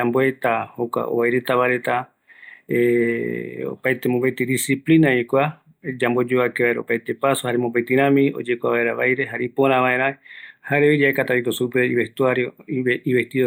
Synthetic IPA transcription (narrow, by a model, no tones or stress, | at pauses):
amboet̪ahokʷa̰o̰βajɾe̞t̪aβaɾet̪a | e | o̰pajt̪emõmbejt̪id̪isiplinaikʷa | d͡ʒambo̞d͡ʒoakeβaeɾaopajt̪e̞pasohaɾemombet̪ĩɾ̃ãmĩo̞̰d͡ʒekʷaβaeɾaβajɾe̞ɦaɾipoɾ̃ãβãẽɾ̃ãhaɾeod͡ʒaekat̪aikosupeiβest̪uaɾjoiβest̪io